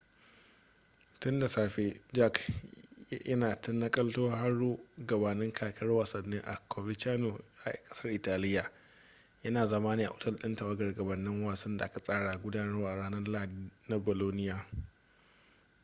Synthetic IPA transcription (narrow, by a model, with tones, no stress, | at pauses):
tʊ˦nda˨saː˨ɸeː˨d͡ʒa˦k | jɐ˦naː˨tʊ˦nːɐ˦kʼɐ˦ltoː˦ɦa˦ɽːuː˦ɡɐ˨baː˨nɪ˦ŋkʰaː˨kʰɐ˦rwaː˨sɐ˨nːɪ˦ŋʔa̰˨kʰoː˨bɪ˦tt͡ʃaː˦no˨ja˦˨a̰˨kʼɐ̥˦sɐ˦rʔɪ˨taː˨lɪ˦jːa˨ | jɐ˦naː˨zɐ˦maː˦niː˦˨ʔa˨ʔʊ˦tɐ˦lɗɪ˦ntɐ˨wɐ˦ɡɐ˨rɡɐ˨bɐ˨nːɪ˦ŋwaː˨sɐ˦nda˨ʔa˦ka˨sʼaː˦ɽaː˨ɡʷʊ˦daː˦nɐ˦ɾʔa˨ɽaː˦nɐ˦rla˦˨dna˦boː˨loː˦nɪ˦jaː˨